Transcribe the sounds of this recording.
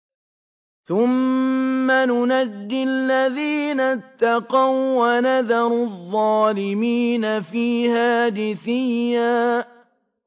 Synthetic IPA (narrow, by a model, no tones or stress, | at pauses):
θʊmː | anʊnad̪ːɪalːaðiːnat̪ːɑqɑwwanaðɑɾˤðˤːɑːlɪmiːnafiːhaːd̪ɪθɪjːaː